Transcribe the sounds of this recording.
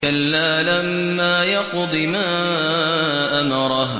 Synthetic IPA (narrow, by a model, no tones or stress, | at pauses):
alːaːlamːaːjɑqd̪ˤɨmaː | ʔamɑɾˤɑɦ